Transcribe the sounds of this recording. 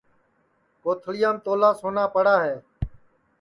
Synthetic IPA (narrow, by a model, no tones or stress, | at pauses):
koːt̪ʰlɪjãːmt̪oːlaːsoːnaːpəɽaːɦeː